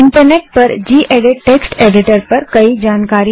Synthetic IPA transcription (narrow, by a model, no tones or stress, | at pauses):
ɪɳʈəɾneʈ̚pəɾd͡ʑiːʔeɽeʈːeksʈeɖiʈəɾpəɾkəiːd͡ʑankaɾi